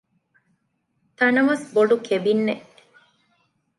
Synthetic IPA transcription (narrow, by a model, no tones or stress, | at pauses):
t̪ɐnɐʋɐsboɖukʰebinːeʔ